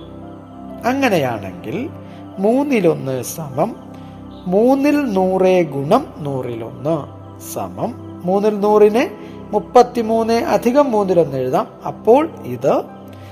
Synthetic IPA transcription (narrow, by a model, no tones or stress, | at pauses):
ɐŋːɐneja̰ːɳe̞̰ŋɡil | muːnːilo̞nːɨsɐmɐmː | uːnːilnuːreːɡuɳɐmnuːrilo̞̰nːɨ | sɐ̰mɐmː | uːnːilnuːrinɨ | mupːɐt̪ːimuːnːeʔɐd̪ʱiɣɐmːuːnːilo̞nːe̞ɻuðaːmɐ̰pːo̞ːɭiðɨ